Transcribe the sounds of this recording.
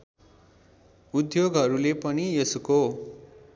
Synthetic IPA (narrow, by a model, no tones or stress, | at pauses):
ud̪joɡɦʌɾulepʌniʌsuko